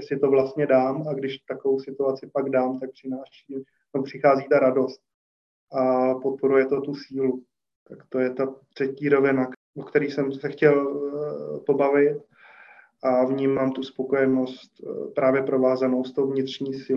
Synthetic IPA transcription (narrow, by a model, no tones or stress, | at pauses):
sɪt̪o̞vlast̪ɲɛdaːmaɡdɪʃt̪akovowsɪt̪uat͡sɪpaɡdaːmt̪ak̚pr̥ɪnaːʃiː | ɛopr̥ɪxaːziːt̪aɾado̞st̪̚ | ʔapo̞t̪̚po̞ɾujɛt̪o̞t̪usiːlu | t̪akt̪o̞jɛt̪at̪r̝̥ɛciːɾo̞vɪna | okt̪ɛɾiːsɛmsɛxcɛl | po̞bavɪt̪ | ʔavɲiːmaːmt̪uspo̞ko̞jɛno̞st̪pɾaːvjɛpɾo̞vaːzanost̪ːowvɲɪt̪rɲiːsɪ